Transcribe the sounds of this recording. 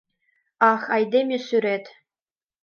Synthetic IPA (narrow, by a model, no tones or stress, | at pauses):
ɑxɑjd̪ʲemʲesyɾet̪ʲ